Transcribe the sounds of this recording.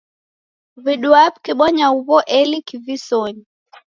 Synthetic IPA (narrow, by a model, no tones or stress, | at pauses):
viɗuap̚kiɓɔɲauβɔʔɛlikivisɔɲi